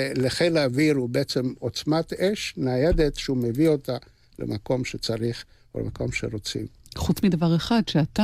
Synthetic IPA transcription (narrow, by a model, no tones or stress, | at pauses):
leχejlaːviɾubeet͡se̞mo̞t͡smat̪eʃnajed̪et̪ʃeumevio̞t̪a | lḛmako̞mʃet͡saʁiχ | o̰lḛmako̞mʃeʁo̞t͡sḭm | χut͡smidavaʁeχadʃeat̪a